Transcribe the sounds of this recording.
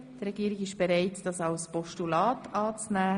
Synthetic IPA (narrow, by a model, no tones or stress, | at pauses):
d̥ɾɛɡiːɾɪɡɪʃb̥eɾaɪtd̥ɑsaʊspɔʃtulɑːtʰɑːt͡snæː